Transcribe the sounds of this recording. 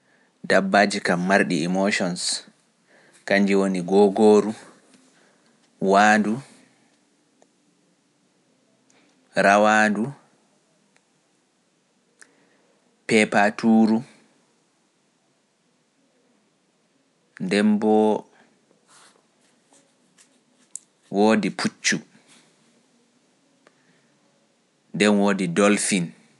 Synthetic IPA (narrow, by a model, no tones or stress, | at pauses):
dabːaːd͡ʒikamːaɾɗḭimoʃɔns | kaɲd͡ʒiwoniɡɔːɡoːɾu | waːdu | ɾawadu | pɛpatʰuːɾu | ndɛmbɔ | woːdipʰut͡ʃːu | ndɛnwoːdidɔlfin